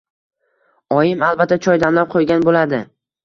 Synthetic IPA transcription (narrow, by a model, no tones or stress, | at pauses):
ɒjɪmalˠbat̪ʰːat͡ʃʰɒjd̪amlap̚qʰojɡʲanbolad̪ɪ